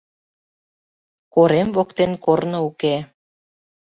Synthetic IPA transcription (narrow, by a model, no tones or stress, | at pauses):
koɾemvokt̪enkornŏuke